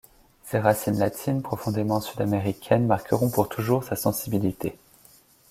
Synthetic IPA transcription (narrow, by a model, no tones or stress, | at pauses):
seʁasinlat̪ʰinpχɔfɔ̃d̪emɑ̃syd̪ameʁikʲʰɛnmaʁkəʁɔ̃puʁt̪ʰuʒuʁsasɑ̃sibilit̪e